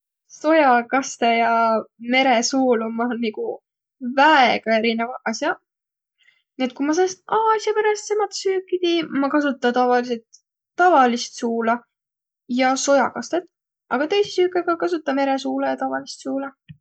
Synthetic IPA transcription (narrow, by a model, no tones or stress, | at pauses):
so̞jɑkɑst̪ejɑme̞ɾe̞suːlumɑonniku | væeɡ̥ɑe̞ɾinevɑʔɑsjɑ | niet̪̚ˑkumɑs̬eɑst̪ɑːsjɑpæɾɑst̪semɑt̪syːkːˑit̪imɑkɑsut̪ˑːɑt̪ɑvɑlise̞lt̪ː | ɑvɑlist̪suːlɑ | jɑso̞jɑkɑst̪et̪ːˑ | ʔɑɡ̥ɑt̪e̞jsi̥syːkːˑɑɡ̥ɑkɑsut̪ːˑɑme̞ɾe̞suːlɑjɑt̪ɑvɑlist̪suːlɑ